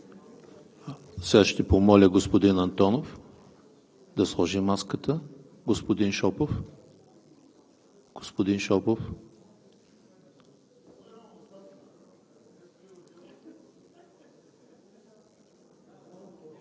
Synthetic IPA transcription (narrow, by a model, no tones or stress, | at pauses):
sɛɡaʃt̪ɛpomɔlʲəɡospod̪inɐnt̪ɔnof | d̪ɐslˠɔʒimaskət̪ə | ɡospod̪inʃɔpof | ɡ̥o̥spod̪inʃɔpof